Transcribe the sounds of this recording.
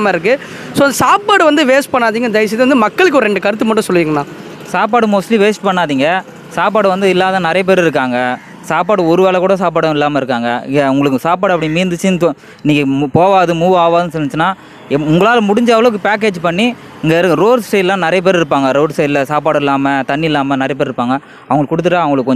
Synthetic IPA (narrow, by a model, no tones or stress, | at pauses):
mɐɪɾɯk̬ːɯ | soːɐnd̪ɐsaːpaːɽɯʋɐnd̪ɯʋeːsʈpɐɳːaːðiːŋɡɐd̪ɐɪs̬ɪðɯʋɐnd̪ɯmɐkːɐɭɯk̬ːɔɾɛɳɖɯkɐɾɯt̪ːɯmɐʈːʊ̃sɔlːɯʋiːŋɡɐnːãː | saːp̬aːɽɯmoːslĩʋeːsʈpɐɳːaːðiːŋɡɐ | saːpaːɽɯʋɐnd̪ɯɪlːaːðɐ̃ːnɪɾɐjɐp̬eːɾɪɾɯk̬ːaːŋɡɐ | saːpaːɽɯɔɾɯʋeːɭɛkuːɽɐs̬aːpaːɽɐɪlːaːmɐɪɾɯkːaːŋɡɐ̰ɪ̰ŋɡɐʊŋɡɐɭɯkːɯsaːpaːɽɐpːɐɽimiːnd̪ɯt͡ʃːɯnt̪ | ɪniːŋɡɐmpoːʋaːðɯmuːʋaːʋaːðɯnɯsɔnːɪt͡ʃːɯnːaː | ʊŋɡɐɭaːlmʊɽɪɲd͡ʒɐʋɐloɯk̬ːɯpaːk̬eːd͡ʒpɐɳːi | ɪŋɡɐɾɾoːɖsʈeɪllãːnɪɾɐjɐp̬eːɾɪɾɯpːaːŋɡɐɾoːɖsʈeɪɪlːɐsaːpaːɽɪlːaːmɐt̪ɐnːiɪlːaːmɐnɪɾɐjɐp̬eːɾɪɾɯpːaːŋɡɐ | ɐʋɐŋɡɐɭkʊɽɯt̪̬ːɯʈːaːɐʋɐŋɡɐɭɯkːkɔɲ